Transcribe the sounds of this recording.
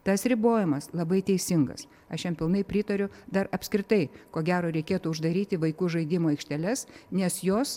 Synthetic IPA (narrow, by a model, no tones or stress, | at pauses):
t̪ɐsɾʲɪboːjɪmɐslˠɐbɐɪt̪ʲɛɪsʲɪŋɡɐ̰s | ɐʃjɛmpʲɪlˠnɐɪpʲɾʲɪt̪ɐɾʲʊd̪ɐrɐpʲsʲkɾʲɪt̪ɐɪkoːɡʲæːɾoːɾʲɛɪkʲeːt̪uːʊʒd̪ɐɾʲiːt̪ʲɪʋɐɪkuːʒɐɪd̪ʲɪmoːɛɪkʃʲt̪ʲɛlʲɛsnʲɛsjoːs